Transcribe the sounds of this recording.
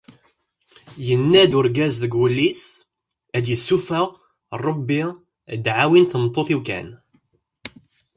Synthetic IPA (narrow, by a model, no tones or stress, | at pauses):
jənːæd̪ʊɾɡæzðəɡwəlːis | æd̪jəsːufəʁ | rˤobːi | d̪ʕawinθəmt̪ˤːoθiwkæ̰n